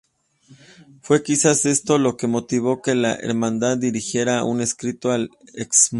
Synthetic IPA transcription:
fwe̞kisase̞st̪o̞lo̞ke̞mo̞t̪iβo̞ke̞laʔḛɾmãnd̪aðːiɾixje̞ɾaṵne̞skɾit̪o̞aleksm

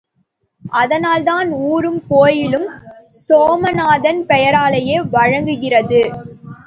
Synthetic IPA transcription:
ʔɐðɐnaːlðaːnuːɾɯmkoːjɪlɯm | soːmɐnaːðɐnpɛjɐɾaːlɐjeːʋɐɻɐŋɡɯɣɪrɐðɯ

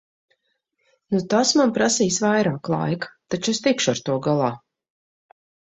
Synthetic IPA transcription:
nut̪asmanpɾasiːsvajɾaːklˠa̰jkt̪at͡ʃest̪ikʃuaɾt̪uɔɡalˠaː

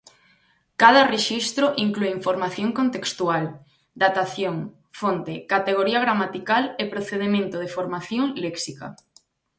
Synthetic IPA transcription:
kaðɐreʃist̪ɾoʔiŋklueiɱfoɾmaθjoŋkont̪ekst̪ual | d̪at̪aθjoŋ | font̪ekat̪eɣ̞oɾiaɣ̞ɾamat̪ikalepɾoθeðemẽnt̪oð̞efoɾmaθjoŋlɛksika̰

